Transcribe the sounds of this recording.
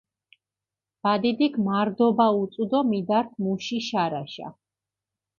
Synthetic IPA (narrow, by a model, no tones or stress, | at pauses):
b̥ad̪id̪iɡmaɾd̪ɔbaut̪sʼud̪ɔmid̪aɾt̪ʰmuʃiʃaɾaʃa̰